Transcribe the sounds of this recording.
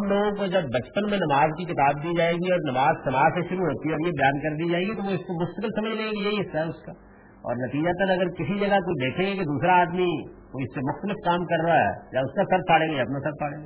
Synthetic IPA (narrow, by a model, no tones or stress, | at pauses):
ɐmloːɡõkod͡ʒɐbːɐt͡ʃpənmẽnɐmaːzkikɪt̪aːb̚d̪iːd͡ʒaːeːɡiɔːɾnɐmaːzsɐmaːseʃʊɾuɦoːt̪iɦɛɔːɾjebɐjaːnkɐɾd̪iːd͡ʒaːeɡit̪oʋoɪskomʊst̪əkɪlsɐməd͡ʒʱlẽːɡijeɦiɦɪst̪aɦɛʊska | ɔ̰ːɾnɐt̪iːd͡ʒat̪ɐnɐɡəɾkɪsid͡ʒɐɡakot͡ʃd̪eːkʰẽːɡekid̪uːsɾaaːd̪mikoɪsːemʊxt̪əlɪfkaːmkɐɾːɐaɦɛ̰ːjaːʊskasɐɾt̪̚ʰaːɽẽːɡajaːɐpnasɐɾt̪ʰaːɽẽːŋa